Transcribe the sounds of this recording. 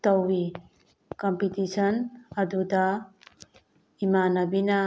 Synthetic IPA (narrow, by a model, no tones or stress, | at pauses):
t̪ɔwi | kɔmpit̪isɔnad̪ud̪a | imanabina